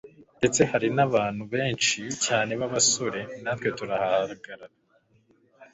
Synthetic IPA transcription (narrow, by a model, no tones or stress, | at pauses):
nde̞t͡se̞haɾinaβaːn̥huβe̞ːnt͡ʃicaːne̞βaβaso̞ɾe̞natwo̞tuɾahahaɾaɡaɾaɾa